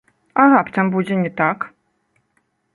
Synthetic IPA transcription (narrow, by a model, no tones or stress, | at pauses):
aɣapt̪ambud͡zʲɛnʲɛt̪ak